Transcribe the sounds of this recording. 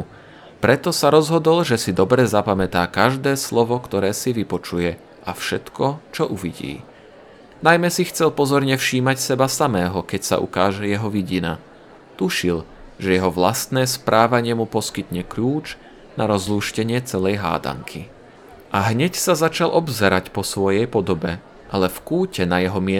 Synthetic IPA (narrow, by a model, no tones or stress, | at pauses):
pɾɛt̪ɔsaɾɔzɦɔd̪ɔlʒɛsid̪ɔbɾɛzapamɛt̪aːkaʒd̪ɛːslɔʋɔkt̪ɔɾɛːsiʋipɔt͡ʃujɛ | ʔafʃɛt̪kʰɔt͡ʃɔʔuʋḭɟḭː | najmɛsixt͡sɛlpɔzɔɾɲɛfʃiːmacsɛbasamɛːɦɔkɛcsa̰ʔṵkaːʒɛjɛɦɔʋiɟina̰ | t̪uʃil | ʒ̥ɛjɛɦɔʋlast̪nɛːspɾʔaːʋaɲɪɛmupɔskit̪ɲɛkʎuːd͡ʒ | naɾɔzluːʃcɛɲɪɛt͡sɛlɛjɦa̰ːd̪a̰ŋkʰi | ʔaɦɲɛcsazat͡ʃalʔɔbzɛɾacpɔsʋɔjɛjpɔd̪ɔbɛ | ʔalɛfkuːcɛnajɛɦɔmɪɛ